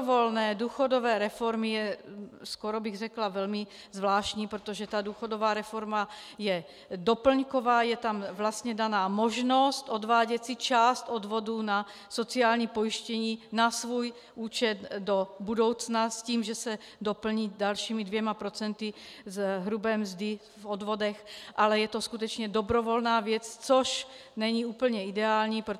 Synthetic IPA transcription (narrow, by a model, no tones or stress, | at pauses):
volnɛːduːxodovɛːɾɛfoɾmijɛskoɾobɪɣrɛklavɛlmi | zvlaːʃcɲiːpɾot̪oʒɛt̪ad̪uːxodovaːɾɛfoɾmajɛ | dopl̩ɲkovaːjɛt̪amvlast̪ɲɛdanaːmoʒnost̪od̪vaːɟɛsit͡ʃaːst̪od̪voduna | sot͡siaːlɲiːpojiʃcɛɲiːnasvuːj | ʔuːt͡ʃɛt̪dobudo̞wt͡snasciːmʒɛsɛ | dopl̩ɲiːdalʃiːmidvjɛmapɾot͡sɛnt̪izɦɾubɛːmzd̪ɪ | vod̪vodɛxʔalɛjɛt̪oskut̪̬ɛt͡ʃɲɛdobɾovolnaːvjɛt͡st͡soʃnɛɲiuːpl̩ɲɛidɛaːlɲiːpɾo